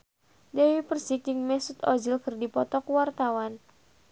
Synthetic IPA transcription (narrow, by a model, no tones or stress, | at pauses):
dɛwipərsik̚d͡ʒɨŋmɛsut̪ɔd͡ʒilkɨrdipɔt̪ɔkuwart̪awan